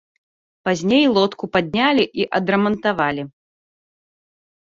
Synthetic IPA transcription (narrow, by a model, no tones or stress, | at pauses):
pazʲnʲejlˠɔt̪kupad̪̚ʲnʲalʲiʔiʔɐd̪ɾɐmɐnt̪avalʲi